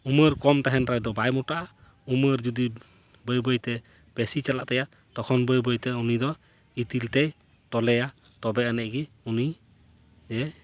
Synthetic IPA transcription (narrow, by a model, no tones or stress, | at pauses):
uməɾkɔmt̪aɦɛnɾajd̪ɔbajmɔʈaʔa | uməɾd͡ʒud̪i | bəjbəjt̪ɛ | b̥ɛsit͡ʃalaʔt̪ɛja | t̪ɔkʰɔnbəjbəjt̪ɛunid̪ɔ | it̪ilt̪ɛj | t̪ɔlɛja | t̪ɔbɛanɛʔɡi | uni | d͡ʒɛ